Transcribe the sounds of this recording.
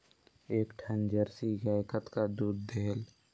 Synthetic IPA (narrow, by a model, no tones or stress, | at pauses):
eːkʈʰənd͡ʒəɾsiɡaːɪkət̪kad̪uːd̪ːeːl